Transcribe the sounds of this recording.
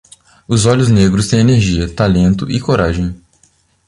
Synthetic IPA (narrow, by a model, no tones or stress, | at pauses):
ʊzɔʎʊzneɡɾʊst̪ẽj̃eneɾʒiɐt̪alẽnt̪ʊʔɪkoɾaʒẽj̃